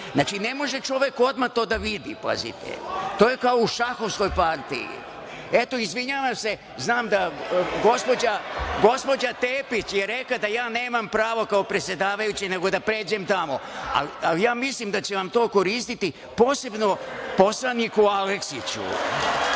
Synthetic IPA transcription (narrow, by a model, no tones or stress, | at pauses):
naːt͡ʃine̞mo̞ʒet͡ʃo̞ʋe̞ko̞d̪mat̪o̞ːd̪aʋid̪ḭpa̰zḭt̪ḛt̪oːjekaouʃaxo̞ʋsko̞jpaɾt̪ḭjḭ | e̞t̪o̞izʋiɲaːʋamse̞ | znaːmd̪aɡo̞spo̞d͡ʑaɡo̞spo̞d͡ʑat̪eːpit͡ɕjeɾe̞kad̪ajaːne̞ːmampɾaːʋo̞kao̞pɾesʲje̞d̪aːʋajut͡ɕine̞ɡo̞d̪apɾe̞ːd͡ʑemt̪amo̞a̰lalijaːmislimd̪at͡ɕeʋamt̪oːko̞ɾiːst̪it̪i | po̞ːse̞bno̞po̞slˠanikualeksit͡ɕṵ